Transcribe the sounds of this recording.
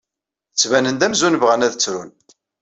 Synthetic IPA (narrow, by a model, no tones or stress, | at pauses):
ət͡sːvænənd̪æmzunvʁənæðət͡sːɾun